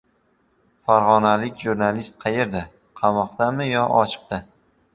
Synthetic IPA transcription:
faɾʁɒnalɪkʲʒuɾnalist̪̚qʰɑjeɾd̪a | qʰɑmɒqd̪amɪjɒʔɒt͡ʃʰɨ̥q̚t̪a

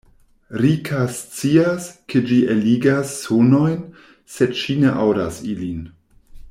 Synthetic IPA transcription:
ɾikʰast͡siaskʰed͡ʒiʔeliɡasːono̞jn | sedʃine̞ʔawda̰silin

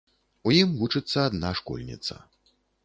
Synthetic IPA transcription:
ujimvut͡ʂɨt̪sːɐːd̪naʂkɔ̰lʲnʲḭt̪sɐ̰

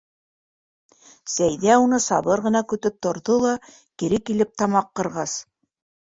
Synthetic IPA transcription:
sæjðæunɤsɑ̰βɤɾʁɤ̆nɑkɵ̆t̪ɵp̚t̪ŏɾðolˠɑ | kiɾɘkilɘp̚t̪ɑmɑqːɤ̆ɾʁɑs

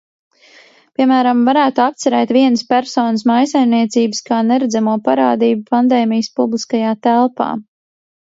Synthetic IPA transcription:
pʲiɛmæːɾamvaɾæːt̪uap̚t̪sɛɾɛːt̪viɛnəspæɾsɔːnəsmajsajmniɛt̪siːbəskaːnɛɾɛd̪zamuɔpaɾaːd̪iːbupand̪ɛːmijəspublˠiskajaːt̪ælˠpa̰ː

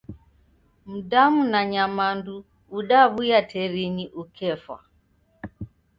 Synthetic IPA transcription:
m̩damunaɲamanduː | ɗaβujatʰɛɾiniʔukʰɛfwa̰

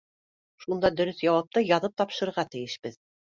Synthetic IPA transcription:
ʃund̪ɑd̪ɵ̆ɾɵθjɑwɑp̚t̪ɤjɑðɤp̚t̪ɑpʃɤ̆ɾɤ̆ɾʁɑt̪ɘ̆jɘ̆ʃbɘð

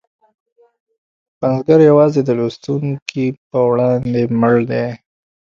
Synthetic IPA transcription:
panzɡaɾjawɑzed̪əlust̪uŋkʰip̚əwɽɑnd̪eməɭd̪e

